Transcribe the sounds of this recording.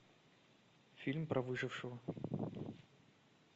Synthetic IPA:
fʲilʲmpɾʔɐvɨʐɨfʂɨvə

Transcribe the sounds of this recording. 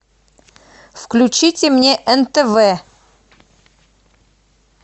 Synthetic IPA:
fklʲʉt͡ɕitʲɪmnʲeʔɛnt̪əvɛ

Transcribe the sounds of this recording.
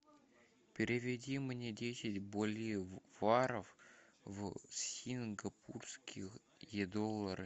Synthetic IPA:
pʲɪɾʲɪvʲɪdʲimnʲedʲesʲɪtʲbolʲjevaɾəf | vssʲinɡɐpʰurskʲʰix | jed̪olˠːər

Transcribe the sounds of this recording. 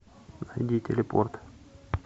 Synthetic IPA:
nad̪ʲit̪ʲʰelʲepo̰rt̪

